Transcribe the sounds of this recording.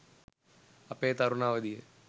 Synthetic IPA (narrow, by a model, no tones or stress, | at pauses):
ɐpːeːt̪ɐɾunaːʋɐd̪ije